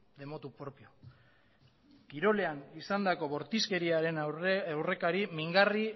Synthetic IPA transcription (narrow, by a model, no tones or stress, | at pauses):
d̪e̞mo̞t̪upɾo̞pio̞ | kiɾo̞le̞anisand̪ako̞βo̞ɾt̪iske̞ɾiaɾe̞nawre̞kaɾimiŋɡari